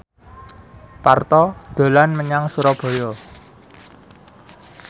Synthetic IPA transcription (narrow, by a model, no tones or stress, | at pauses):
part̪ɔd̪̥o̤lanməɲaŋsuɾɔb̥ɔ̤jɔ